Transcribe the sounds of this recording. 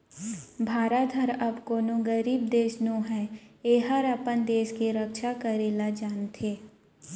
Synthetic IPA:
bʱaːɾad̪ʱəɾɐbkoːnõɡəɾiːb̚d̪eːʃnõɦɛːeːɦəɾəpənd̪eːʃkeɾəkʃakəɾeːlad͡ʒaːnt̪ʰeː

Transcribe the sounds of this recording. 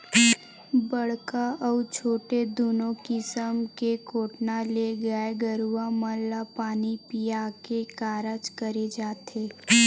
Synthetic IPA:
bəɽ̤kaɔːt͡ʃʰoːʈed̪oːnõkɪsəmkekoːʈnaleɡəeɡəɾuaməlːapaːnipijakekaːɾət͡ʃkəɾed͡ʒaːt̪eː

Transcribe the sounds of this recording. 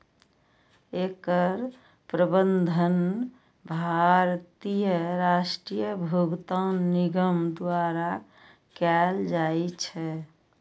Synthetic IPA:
ekəɾ | pɾəbənd̪ʱən | bʱaɾt̪ijəɾasʈɾijəbʱuɡt̪anːiɡəmd̪waɾa | kɛld͡ʒaet͡ʃʰɛ

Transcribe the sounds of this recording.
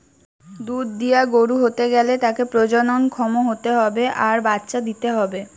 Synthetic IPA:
d̪ud̪ːijaɡoɾuɦot̪eɡɛlet̪akepɾod͡ʑononkʰɔmoɦot̪eɦɔbeʔaɾbat̪ːɕad̪it̪eɦɔbe

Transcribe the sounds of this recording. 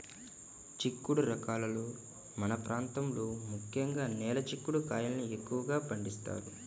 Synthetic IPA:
t͡ʃikːuɽuɾɐkaːlɐluː | mɐnɐpɾʔaːnt̪ɐmloːmukʰjɐŋɡaːnɛːlɐt͡ʃikːuɽukaːjɐlniekːuʋɐɡaːpɐɳɖist̪a̰ːɾu

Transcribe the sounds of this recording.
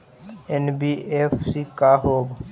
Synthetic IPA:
enbiefsikaɦoːb

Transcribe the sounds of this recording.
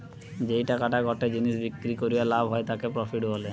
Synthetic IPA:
d͡ʑejʈakaʈaɡʱɔʈed͡ʑiniʃbikːɾikoɾijalabʱɦɔet̪akepɾɔfʰiʈbole

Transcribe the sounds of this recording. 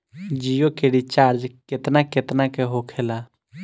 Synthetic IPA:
d͡ʒijokeɽit͡ʃaːɾd͡ʒkɪt̪nakɪt̪nakeɦokʰeːlaː

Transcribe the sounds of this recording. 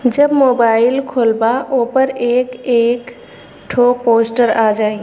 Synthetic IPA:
d͡ʒəbmoːbaːɪlkʰoːlbaʔoːpəɾeːkeːk | ʈʰopoːsʈəɾad͡ʒaːi

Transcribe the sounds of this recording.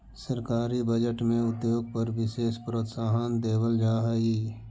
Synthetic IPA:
səɾkaːɾibəd͡ʒəʈmẽʊt̪joːɡ̚pəɾʋɪʃeːspɾoːt̪saːɦənd̪eːwəld͡ʒaːɦəiː

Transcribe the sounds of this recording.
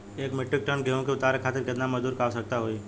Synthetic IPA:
eːkmɪʈːɪk̚ʈənɡʱeɦõkeʊt̪aɾekʰaːt̪ɪɾkət̪naməd͡ʒd̪uːɾkaːʋsək̚t̪aɦoi

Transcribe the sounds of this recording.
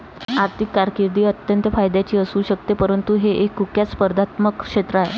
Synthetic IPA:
aɾt̪ʰikːaɾkiɾd̪iːət̪jənt̪əfajd̪jat͡ɕiːəsuːɕək̚t̪epəɾənt̪uɦeʔekːukjat̪spəɾd̪at̪məkʂet̪ɾəaɦe

